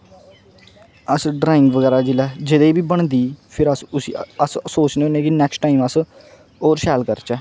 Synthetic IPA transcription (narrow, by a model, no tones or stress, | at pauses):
əsɖɾaːɪ̃ŋɡʋəɡɛːɾaːd͡ʒɪlɛːd͡ʒɪd̪eːbiːbəɳ̃d̪iːpʰɪɾəsʊsḭːəssoːt͡ʃneonẽːkinɛːksʈʈaːiːməs | oːɾsɛːlkəɾt͡ʃɛː